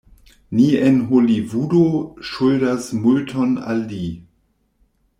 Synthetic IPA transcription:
nienɦolivudoʃujdasmultʰona̰lːi

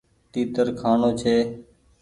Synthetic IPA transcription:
ʈ̪iːt̪əɾkʰaːɳoːt͡ʃʰeː

